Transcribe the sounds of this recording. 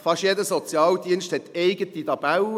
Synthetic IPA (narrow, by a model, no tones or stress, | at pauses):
fɑʃjedəsɔt͡sjɑːld̪iənʃthɛt̪ʰːeɪɡət̪it̪ɑb̥aw